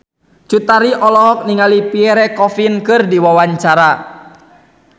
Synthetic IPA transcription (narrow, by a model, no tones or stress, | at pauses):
t͡ʃut̪aɾiʔɔlɔɦɔk̚niŋalipiɛɾɛkɔfinkɨrdiwawaɲt͡ʃaɾa